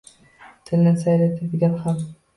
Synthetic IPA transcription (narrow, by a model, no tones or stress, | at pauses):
t̪ʰɪlnɪsajlat̪ʰad̪ɪɡʲanham